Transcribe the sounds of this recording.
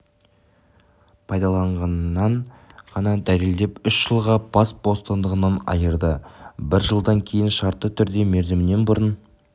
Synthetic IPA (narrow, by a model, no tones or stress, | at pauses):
pʰɑjd̪ɑlˠɑɴʁɑnːɑɴʁɑnɑd̪æle̞ld̪e̞pʏʃʒ̥əlˠʁɑb̥ɑsbo̞st̪ənd̪əʁənɑnɑ̰jəɾd̪əbɪɾʒəlˠd̪ɑŋkʲʰe̞jɪnʃɑɾt̪ːət̪ʰʏɾd̪e̞me̞ɾzɪmɪne̞nbʊɾən